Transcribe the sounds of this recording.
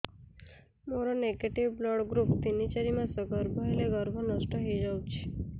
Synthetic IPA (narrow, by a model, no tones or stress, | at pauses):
moɾoneɡeʈiʋblɔɽɡɾupt̪init͡ʃəɾimãsəɡəɾbʱɔeleɡəɾbʱɔnəsʈəɦəjd͡ʒawt͡ʃʰe̥